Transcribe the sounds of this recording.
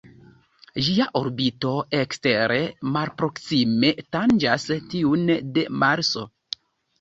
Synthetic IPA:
d͡ʒiaʔoɾbito̞eksteɾemalpɾo̞ksime̞tand͡ʒastiunde̞maɾso̞

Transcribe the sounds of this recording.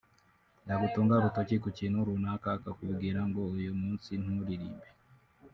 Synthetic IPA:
jaɡutuːŋɡaβutocikuciːnhuɾunakakakuβɡiːɾaŋɡo̞ujumuːnsin̥huɾiɾḭːbe

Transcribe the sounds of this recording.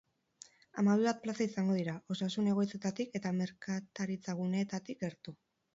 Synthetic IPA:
amaβiβat̪̚plasaisaŋɡo̞ð̞iɾao̞sasune̞ɣ̞o̞jt͡se̞t̪at̪ike̞t̪ame̞ɾkat̪aɾit͡saɣ̞une̞t̪at̪ike̞ɾt̪u

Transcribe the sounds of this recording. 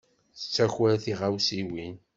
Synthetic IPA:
θə̥t͡sːæçwæɾθiʁawsiwin

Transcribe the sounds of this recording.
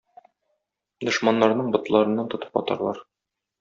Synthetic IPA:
d̪ŏʃmɑnːɑɾnɤɴbŏt̪lˠɑɾɤ̆nːɑnt̪ŏt̪ɤ̥pɒ̰t̪ɑ̰ɾlˠɑ̰ɾ

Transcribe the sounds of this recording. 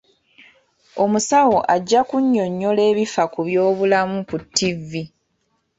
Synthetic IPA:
o̞musawo̞ʔaɟːakuɲːo̞ɲːo̞le̞ːβifakuβjo̞ːβulamukutːivːi

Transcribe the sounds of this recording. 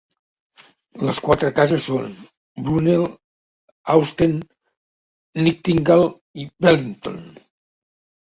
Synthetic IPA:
ləskwat̪ɾəkazəsːon | bɾunelˠ | awst̪en | ik̚t̪iŋɡalˠ | ibɛliŋt̪o̰n

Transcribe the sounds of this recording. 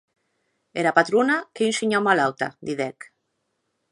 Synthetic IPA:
eɾapat̪ɾunakeynsiɲomalawt̪a̰d̪iðɛk

